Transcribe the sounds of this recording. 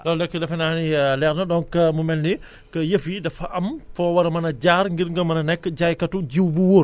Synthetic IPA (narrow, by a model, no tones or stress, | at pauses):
ɗɔlɛkːɛdɐfɛnanilɛɾnɔɗɔŋkɐmumɛlni | kɐjefidafaʔːmfɔwɐɾɐmɐnɐd͡ʒaːɾŋɡiɾŋɡɔmɐnɐnɛkːd͡ʒajkɐtud͡ʒiwbuwoɾ